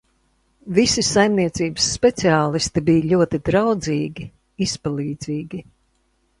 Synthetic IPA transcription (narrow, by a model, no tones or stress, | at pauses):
visisajmniɛt̪siːbəsːpɛt̪siaːlˠist̪ibijʎʲuɔt̪id̪ɾawd̪ziːɡʲi | ispalˠiːd̪ziːɡʲi